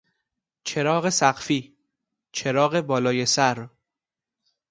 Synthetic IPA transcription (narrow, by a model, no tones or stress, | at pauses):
t͡ʃʰe̞ɾɒːɣe̞sæɢfiː | t͡ʃʰe̞ɾɒːɣe̞bɒːlɒːje̞sæɾ